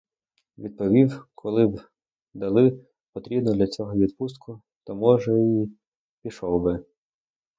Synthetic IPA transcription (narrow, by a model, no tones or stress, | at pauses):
ʋʲid̪̚pɔʋʲiwkʰɔlˠɪb | d̪ɐlˠɪ | pɔt̪ɾʲibnɔd̪lʲɐt͡sʲɔɦɔʋʲid̪pust̪kʊ | t̪ɔmɔʒɛi | pʲiʃɔwbɪ